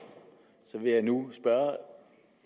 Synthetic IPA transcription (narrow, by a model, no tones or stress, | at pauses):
sɒ̽ʋe̝jɑ̈ɪnusb̥ɶɐ